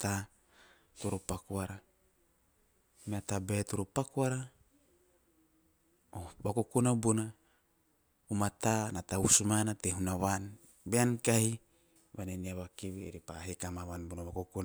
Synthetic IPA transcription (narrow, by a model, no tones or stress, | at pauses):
ta | tuɾopakuaɾa | meatabet̪uɾopakuaɾa | obakokunabuna | umat̪anatausumanateɦunaβan | beankahi | βaneniaβakiβieɾipaɦekamaβanbunaβakokuna